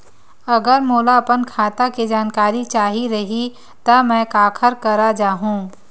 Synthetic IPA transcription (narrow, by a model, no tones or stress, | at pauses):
ɐɡəɾmoːlaɐpənkʰaːt̪akid͡ʒaːnkaːɾit͡ʃaːɦiɾɐɦi | t̪ɐmɛ̃ːkaːkʰəɾkɐɾad͡ʒaːɦũː